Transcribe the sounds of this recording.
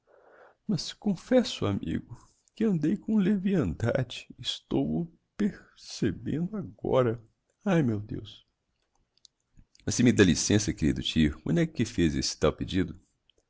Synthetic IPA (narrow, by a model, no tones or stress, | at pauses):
mɐskõfɛsʊamʔḭɡʊ | kɪɐ̃nd̪ejkõleviɐ̃nd̪a̰d͡ʒɪɪst̪ow | peɾ | sebḛ̃nd̪ʊaɡɔ̰ɾɐ | ajmewd̪ḛws | mɐsɪmɪd̪alisẽsɐkeɾid̪ʊt͡ʃiʊkõnd̪ɛkʊkɪfezesɪ̥t̪awped͡ʒid̪ʊ